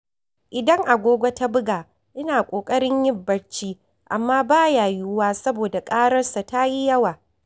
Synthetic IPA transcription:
ʔɪ˨dɐ˦ŋʔa˨ɡʷoː˦ɡʷo˦ta˦bʊ˦ɡaː˨ | ʔɪ˦naː˨kʷʼoː˨kʼɐ˦ɽɪ˦ɲjɪ˦bːɐ˨ɽt͡ʃiː˦ | ʔa˨mːaː˦baː˦jaː˨ju˦waː˦sɐ˦boː˨da˨kʼaː˦ɽɐ˦rsa˨ta˦ji˦jɐ˦waː˨

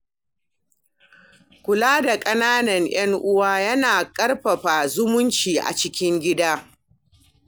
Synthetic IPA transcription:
kʷʊ˨laː˦da˨kʼɐ˦naː˦nɐ˨ŋj̰ɐ˦ŋʔʊ˦waː˦jɐ˦naː˨kʼɐ˦rɸɐ˨ɸaː˨zʊ˦mʊ˦nt͡ʃiː˨ʔa̰˨t͡ʃɪ˦kʲɪ˦ŋɡʲɪ˦daː˦

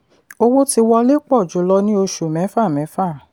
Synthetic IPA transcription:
o˧wo˦ti˧wɔ˧le˦k͡pɔ˦˨d͡ʒu˨˦lɔ˦nĩ˦o˧ʃu˨mɛ̃˨˦fa˦˨mɛ̃˨˦fa˦˨

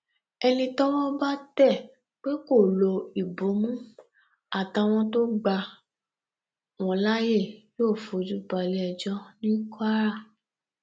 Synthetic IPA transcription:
ɛ˧nĩ˧tɔ˦w̃ɔ̃˦ba˦tɛ˦˨ | k͡pe˦ko˦˨lo˧i˨bo˨˦mũ˦ | a˦˨ta˧w̃ɔ̃˧to˦ɡ͡ba˧ | w̃ɔ̃˧la˦je˦˨joː˦˨fo˨d͡ʒu˦ba˧le˦ɛ˧d͡ʒɔ˦nĩ˦ka˦ɾa˦˨

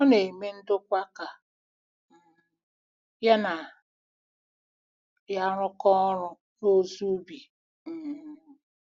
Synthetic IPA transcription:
ɔ˦ne˨me˦n̩˦dʊ˦kʷa˦ka˨ | ja˦na˨ | ja˦ɾʊ˦kɔ˦ɾʊ˦ | no˦zu˦bi˨˦

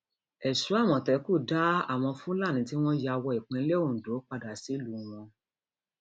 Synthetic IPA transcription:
ɛ˨su˨˦a˦˨w̃ɔ̃˨tɛ˨˦ku˦˨da˦a̰˦˨w̃ɔ̃˧fũ˦la˦˨nĩ˨˦ti˦w̃ɔ̃˦ja˧wɔ˧i˨k͡pɛ̃˨˦le˦o˦˨do˨˦k͡pa˧da˨si˨˦lu˨w̃ɔ̃˧

